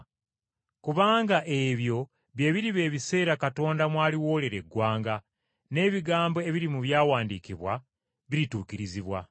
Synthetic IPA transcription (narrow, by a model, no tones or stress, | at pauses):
kuβaːŋɡaʔe̞βjo̞ | βje̞ːβiɾiβe̞ːβise̞ːɾakato̞ːndamwaːliwo̞ːle̞ɾe̞ɡwaːŋɡa | ne̞ːβiɡaːmbo̞e̞βiɾimuβjaːwaːndiːkiβwa | βiɾituːkiɾiziβwa